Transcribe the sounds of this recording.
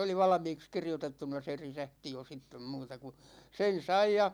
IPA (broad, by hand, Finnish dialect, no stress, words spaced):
oli ʋɑlɑ̆miːks kirjotetːunɑ se risæhti jo sitːem muːtɑ ku sen̞ sɑi jɑ